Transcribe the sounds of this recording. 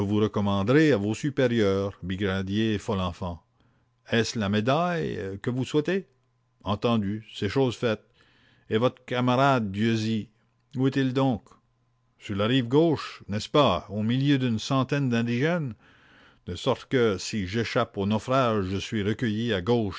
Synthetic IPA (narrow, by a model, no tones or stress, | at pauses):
əvuʁəkɔmɑ̃d̪ʁeavosypeʁjœːʁbiɡʁad̪jefɔlɑ̃fɑ̃ | ɛslamed̪ajkəvuswɛt̪e | ɑ̃t̪ɑ̃d̪yseʃoːzfɛt̪̚ | evɔt̪ʁəkamaʁad̪̚ːjøzi | uɛt̪ild̪ɔ̃k | syʁlaʁivɡoʃnɛspaomiljød̪ynsɑ̃t̪ɛnd̪ɛ̃d̪iʒɛn | d̪̥əsɔʁt̪kəsiʒeʃaponɔfraʒːəsɥiʁəkʲəjiaɡoʃ